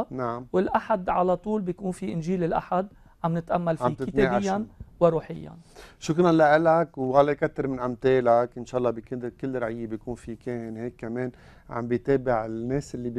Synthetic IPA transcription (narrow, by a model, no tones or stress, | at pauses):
naʕamwɪlʔaħad̪ʕalat̪ˤuːlbjkuːnfiʔɪnʒiːlɪlʔa̰ħad̪ | ʕamnɪt̪ʔamːalfamit̪ɪt̪eːajːanwɪɾuːħɪjːa̰nʃʊkɾanlaʔɪlakwwalːakat̪ːɪɾmɪnʔamt̪eːlakʔɪnʃaːʔɑlːɑbɪkɪd̪kɪlːɾaʕɪjːebjkuːnfikeːnheːkːameːn | ʕa̰mbɪjt̪eːbɪʕɪnːeːsʔɪlːib